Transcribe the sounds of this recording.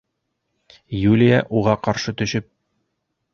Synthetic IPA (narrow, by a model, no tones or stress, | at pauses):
julʲɪjaʔuʁɑqɒɾʃɤt̪ɵ̆ɕɘp̚